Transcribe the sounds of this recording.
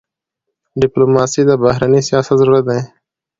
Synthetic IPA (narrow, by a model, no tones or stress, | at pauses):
ɖɪploːmaːsiːd̪aːbaːɦɾaːnisɪjaːsəzəɾuːɾət̪ẽː